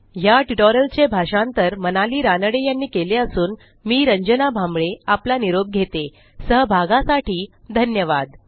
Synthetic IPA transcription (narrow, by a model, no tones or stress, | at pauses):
jaʈiʈoɾəlt͡ɕebʱaʂãnt̪əɾmənaliːɾanəɽejanːiːkeleəsuːn | miːɾəɲd͡ʑənabʱãmbɭeaplaniɾob̚ɡʱet̪e | səɦbʱaɡãsaʈiːd̪ʱənjəʋad̪